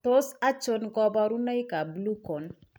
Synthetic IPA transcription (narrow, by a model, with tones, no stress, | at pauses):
to˦sa˦t͡ʃo˦nɡɔ˦bɔ˦ɾu˦na˦jka˨blu˦ko˨n